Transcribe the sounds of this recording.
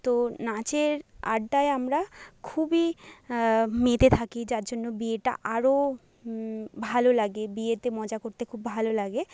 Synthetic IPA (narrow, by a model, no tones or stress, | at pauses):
t̪onat͡ɕeɾa̰ɖːaeamɾakʰubi | met̪et̪ʰakid͡ʑaɾd͡ʑonːobieʈa̰ʔaɾo | bʱalolaɡebiet̪emɔd͡ʑakoɾt̪ekʰubbʱalolaɡe